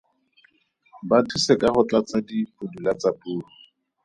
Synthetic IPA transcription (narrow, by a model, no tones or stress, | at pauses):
batʰusɛkaχʊt͡ɬat͡sadipudulat͡sapʼuːrɔ